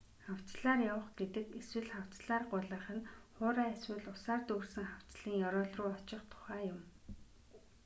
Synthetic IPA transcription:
χaw̥t͡sɮaːrjawə̆χɡet̪ɘ̆keswɘ̆ɮχaw̥t͡sɮaːrɢʊɮə̆χə̆nχʊːɾaːæswɘ̆ːɮʊsaːrt̪uːrsɘ̆ŋχaw̥t͡sɮiːŋjɔɾɔːɮrʊːɔt͡ɕɪ̆χt̪ʰʊ̥χæːjʊm

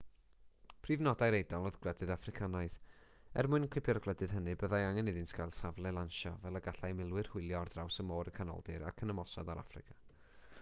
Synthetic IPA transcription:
pʰriːvnɔdajɾejdalˠoðɡlˠɛdɨðafrɪkʰanajθ | ɛ̰rmʊɨnkʰwɪpʰjɔrɡlˠɛdɨð̥ɦənɨbəðajaŋɛnɪðɪntʰkʰajlˠsavlˠɛlˠanʃɔvɛlˠəɡaɬajmɪlˠwɨr̥hʊɨlˠjɔrdrawsəmoːɾəkʰanɔ̰lˠdɨɾa̰kʰənəmɔsɔ̰daɾa̰frɪ̰kʰa

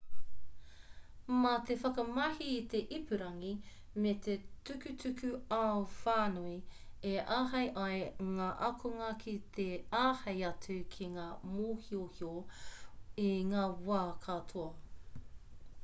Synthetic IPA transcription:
mɐt̪efɐkɐmɐhiːt̪e̞ʔipʰʉɾɐŋi | met̪ʰetʉkʉtʰʉkʰʉaofaːnui | eʔaːɦɐjʔɐjŋaːʔɐkʰoŋɐkʰit̪ʰeaːhɐjɐt͡sʉkʰiŋaːmoːhiohio | iŋaːwaːkʰatʰoɐ

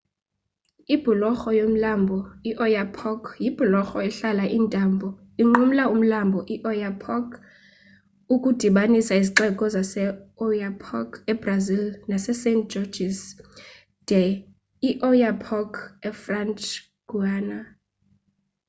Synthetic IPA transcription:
ib̥ʱulɔxɔjom̩lambʱɔiʔɔjapʰɔkʰjib̥ʱulɔxɔɛɬalaʔintʼambʱɔ | iŋ͡ǃum̩laum̩lambʱɔʔiʔɔjapʰɔkʰ | ukʼud̥ʱiɓanisaiziǃɛkʼɔzasɛɔjapʰɔkɛb̥razilnasɛsentd͡ʒɔd͡ʒis | d̥ɛ | iʔɔjapʰɔkʰɛfrant͡ʃ | ɡ̥uaːna

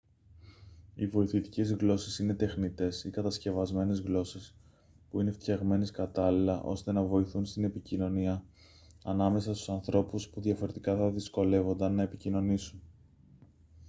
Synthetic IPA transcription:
ivo̞iθit̪i̥ce̞zɣlo̞sesine̞t̪e̞xnit̪e̞sikɐt̪ɐsce̞vɐzme̞ne̞zɣlo̞ses | puine̞ft̪çɐɣme̞neskɐt̪ɐlilɐʔo̞̰st̪e̞nɐvo̞iθunst̪ine̞picino̞niɐ | ɐnɐme̞sɐst̪u̥sɐnθɾo̞puspuðʝɐfo̞ɾe̞t̪ikɐθɐðisko̞le̞vo̞nd̪ɐnːɐe̞picino̞nisun

